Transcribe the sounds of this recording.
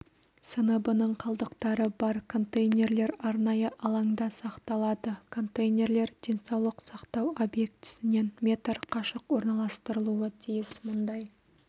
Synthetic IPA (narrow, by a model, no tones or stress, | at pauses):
sənəbənəɴqʰɑlˠd̪əqt̪ɑɾəbɑɾkʰo̞nt̪ejnʲe̞ɾle̞ɾɑɾnɑjəʔɑlˠɑŋd̪ɑsɑqt̪ɑlˠɑd̪əkʰo̞nt̪ejnʲe̞ɾle̞ɾd̪̥e̞nsɑwlˠəqsɑqt̪ɑwo̞bje̞kt̪ɪ̥sɪne̞nmʲe̞t̪rqʰɑʃəqwo̞ɾnɑlˠɑst̪əɾəlˠuət̪ʰijɪsmʊnd̪ɑj